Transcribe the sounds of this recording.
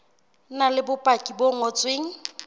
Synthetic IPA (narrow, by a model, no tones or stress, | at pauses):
nalɪbʊpʼakʼiboŋ̩ot͡sʼweŋ̩